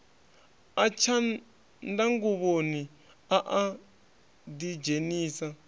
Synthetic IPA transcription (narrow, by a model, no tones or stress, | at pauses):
at͡ʃʰa | ndaŋɡuβoni | aʔa | did͡ʒeniːsa